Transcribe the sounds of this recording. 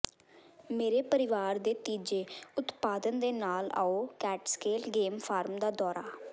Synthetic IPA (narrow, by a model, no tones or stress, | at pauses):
meːɾeːpəɾɪʋaːɾd̪eːt̪iːd͡ʒeːʊt̪paːd̪ənd̪eːnaːla̰ːoːkɛːʈskeːlɡeːmpʰaːɾmd̪aːd̪ɔːɾaː